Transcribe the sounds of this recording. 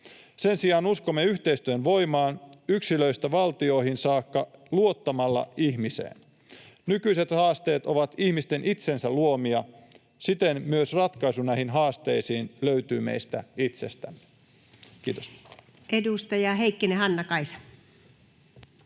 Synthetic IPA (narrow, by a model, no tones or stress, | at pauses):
se̞nsiɑːnuskomːe̞yht̪e̞ist̪yønʋo̞imɑːnyksilø̞ist̪æʋɑlt̪io̞hinsɑːkːɑluo̞t̪ːɑmɑlːɑ̰ihmisḛːn | nykyise̞t̪hɑːst̪e̞ːt̪o̞ʋɑt̪ihmist̪e̞nʔit̪se̞nsæluo̞miɑ | sit̪e̞nmyøsrɑt̪kɑjsunæhinɦɑːst̪ejsiːnløyt̪yːmḛjst̪æ̰it̪se̞st̪æ̰mːe | kiːt̪os | ʔedust̪ɑjɑɦeikːenehɑnːɑkɑisɑ̥